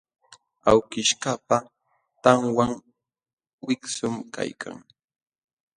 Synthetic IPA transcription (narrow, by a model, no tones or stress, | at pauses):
awkɪʃkapa | t̪aŋwaŋ | wɪksʊmka̰jkʰa̰ŋ